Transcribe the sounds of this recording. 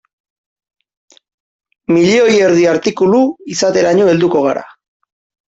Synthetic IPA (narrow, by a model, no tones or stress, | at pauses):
miʎeo̞je̞ɾðiaɾt̪ikuluisat̪e̞ɾaɲoe̞ld̪uko̞ɣ̞aɾa̰